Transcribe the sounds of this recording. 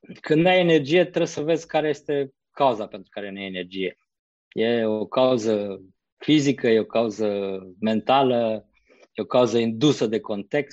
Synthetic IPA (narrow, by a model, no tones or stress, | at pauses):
kɨnd̪najene̞rd͡ʒije̞t̪ɾesəve̞zʲkaɾe̞jest̪e̞ | kauzapent̪ɾukaɾe̞najenerd͡ʒije̞̰ | je̞okauzə | fizikəje̞o̞kauzəme̞nt̪alə | je̞o̞kauzəind̪usəd̪e̞ko̞nt̪e̞kst̪